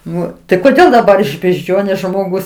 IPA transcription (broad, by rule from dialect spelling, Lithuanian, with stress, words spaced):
ˈnʊ tɐɪ koːˈdʲeːlˠ dɐˈbɐr ɪʃ bʲɛʒʲˈd͡ʒʲoːnʲeːs ʒmoːˈɡʊs